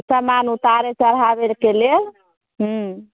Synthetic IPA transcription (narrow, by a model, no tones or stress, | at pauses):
samanut̪aɾet͡ʃəɾɦabeɾkelel | ɦ̩